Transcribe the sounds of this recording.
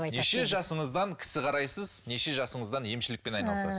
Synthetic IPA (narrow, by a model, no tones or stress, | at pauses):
neʃe̞ʒɑsəɴəzd̪ɑŋkʲʰɪ̥sɪqʰɑɾɑjsəzne̞ʃe̞ʒɑsəɴəzd̪ɑnje̞mʃɪlɪk̚pe̞nɑjnɑlˠsɑs